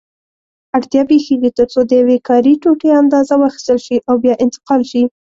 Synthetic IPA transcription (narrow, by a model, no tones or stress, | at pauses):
aɽt̪jɑbexeɡit̪əɾt͡sod̪əjawekɑɾiʈoʈeand̪ɑzawɑxi̥st̪əlʃiʔawbjɑʔɪnt̪ɪ̥qɑlʃi